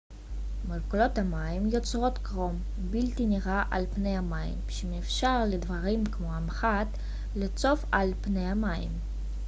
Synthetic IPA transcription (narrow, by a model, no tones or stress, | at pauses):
malkulo̞t̪amajimjot͡sʁo̞t̪kʁom | bilt̪iniʁaʔalpne̞jamajḭmʃemefʃaʁled̪vaʁimkmo̞amχat̪ | let͡so̞falpnejamaḭm